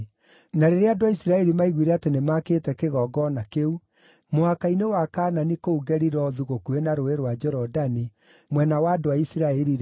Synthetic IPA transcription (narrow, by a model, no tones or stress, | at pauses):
naɾeɾeadoaisɾaɛɾimaiɣwiɾɛatenemakeːtɛkeɣɔːɡɔnakeu | mohakainewakaːnanikouɡɛɾiɾɔðuɣokuenaɾoeɾwad͡ʒɔɾɔdani | mwɛnawaːdoaisiɾaɛɾiɾ